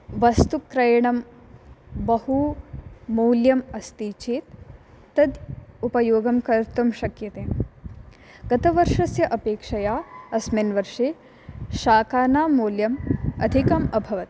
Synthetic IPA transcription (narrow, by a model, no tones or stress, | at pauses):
ʋɐst̪ukːɾɐjɐɳɐm | bɐhu | moːljɐmɐst̪iːt͡ʃeːt̪ː | ɐd̪upɐjoːɡɐmkɐɾt̪ɐmʃɐkjɐt̪eː | ɡ̥ɐt̪ɐʋɐɾʂɐsjɐʔɐpeːkʂɐjaːɐsmenʋɐɾʂeː | ʃaːkaːnaːmoːljɐmɐd̪ʱikɐmɐbʱɐʋɐt̪